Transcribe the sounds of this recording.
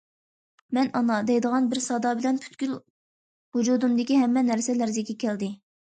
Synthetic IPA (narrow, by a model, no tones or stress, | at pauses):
mɛnɑnɑd̪ɛjd̪əʁɑnbɪɾsɑd̪ɑbɪlɛnpʰy̥t̪kʲyl | hud͡ʒuːd̪umd̪ɪkʲiɦɛmːɛnæɾsɛlæɾzɪkʲɛkʲʰɛld̪ɪ